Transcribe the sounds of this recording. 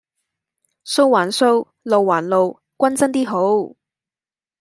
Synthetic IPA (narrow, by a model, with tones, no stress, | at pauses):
so˥wwaː˨˩nso˥w | lo˨wːaː˨˩nlo˨w | kʷɐ˥nt͡sɐ˥nt̪iː˥ɦo˨˥w